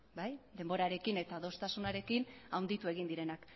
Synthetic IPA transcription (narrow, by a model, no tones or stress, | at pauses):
bajd̪e̞mbo̞ɾaɾe̞kine̞t̪aðo̞st̪asunaɾe̞kinawnd̪it̪ue̞ɣ̞ind̪iɾe̞nak